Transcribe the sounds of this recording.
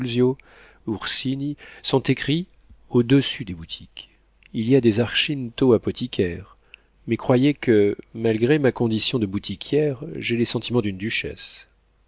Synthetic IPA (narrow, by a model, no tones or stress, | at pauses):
lzjo | uʁsinisɔ̃t̪ekχi | od̪əsyd̪ebut̪ʰikʲ | iliad̪ezaʁʃint̪oapɔt̪ʰikʰʲɛʁ | mɛkχwajekəmalɡʁemakɔ̃d̪isjɔ̃d̪əbut̪ʰikʲʰjɛʁʒelesɑ̃t̪ʰimɑ̃d̪ynd̪yʃɛ̰s